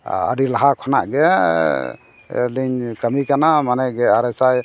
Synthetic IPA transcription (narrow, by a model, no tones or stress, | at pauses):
ə̰ɾilaɦakʰɔna̰ʔɡɛ | liɲkəmikanamanɛɡɛaɾɛsaj